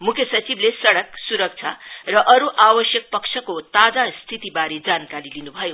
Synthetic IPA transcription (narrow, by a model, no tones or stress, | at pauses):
mukʰjʌsʌt͡siblesʌɽʌksuɾʌk̚t͡sʰarʌʔʌɾuʔawʌsjʌk̚pʌksʰʌkot̪ad͡zast̪ʰit̪ibaɾed͡zankaɾilinubʱʌjo